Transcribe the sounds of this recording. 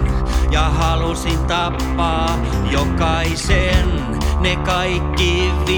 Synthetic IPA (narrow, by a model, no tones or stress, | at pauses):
jɑhɑlusint̪ɑpːɑː | jokɑisen | nekɑikːiʋi